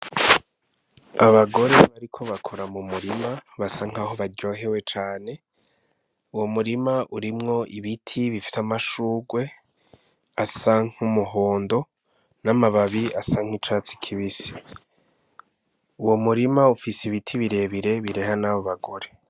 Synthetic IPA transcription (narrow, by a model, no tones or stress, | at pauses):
aβaɡo̞ɾe̞βaɾikʰo̞βakʰo̞ɾamumuɾimaβasaŋ̥haːho̞βaɟo̞ɦe̞we̞t͡ʃaːne̞ | uwo̞muɾimaʔuɾimŋo̞ʔiβitʰiβifi̥tamaʃuːɡwe̞ | asaŋ̥umuɦoːndo̞ | namaβaβiasaŋ̥it͡ʃat͡si̥kʰiβisi̥ | uwo̞muɾimaufisiβitʰiβiɾe̞βiɾe̞βiɾe̞hanaβo̞βaɡo̞ɾe̞